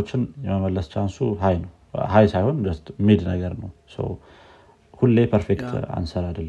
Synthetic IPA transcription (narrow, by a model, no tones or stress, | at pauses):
ot͡ʃːɪnjɛməməlːəst͡ʃansuɦajnəw | hajsajho̞nd̪əst̪mid̪nəɡəɾnəwsə̰w | hulːepʰəɾfekt̪ʰa̰nsəɾad̪əlːə